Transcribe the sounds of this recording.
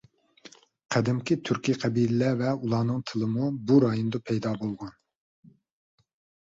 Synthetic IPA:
qʰæd̪ɪmkʲit̪ʰyɾkʲiqʰɛbilɪlɛvɛulˠɑːnɨŋt̪ʰɨlˠɨmubuɾɑːjond̪ɑpʰɛjd̪ɑːbolˠʁɑn

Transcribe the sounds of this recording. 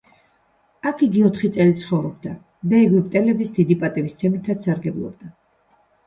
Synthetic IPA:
akʰiɡiɔt̪ʰχit̪sʼɛlit̪sʰχɔvɾɔb̚d̪a | d̪aɛɡwipʼt̪ʼɛlɛbisd̪id̪ipʼat̪ʼibist̪sʰɛmit̪ʰat̪saɾɡɛblˠɔ̰b̚d̪a

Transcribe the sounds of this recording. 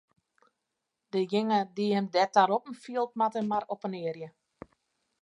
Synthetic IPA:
d̥əjɪŋədihɛmdɛtaɾɔpn̩fiəlˠt̚matəmaɾɔpənɪərjə

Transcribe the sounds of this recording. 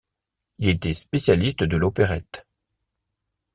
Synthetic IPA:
ilet̪ɛspesjalist̪d̪əlopeʁɛt̪

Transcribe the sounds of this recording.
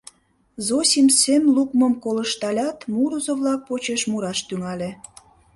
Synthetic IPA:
zosʲimsemlukməmkoləʃt̪ɑlʲɑt̪muɾuzoβlɑk̚pot͡ɕeʃmuɾɑʃt̪yŋɑlʲe

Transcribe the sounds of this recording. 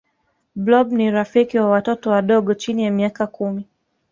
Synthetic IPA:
blɔbniɾafikiwawatɔtɔwaɗɔɠɔt͡ʃinijamiakakumi

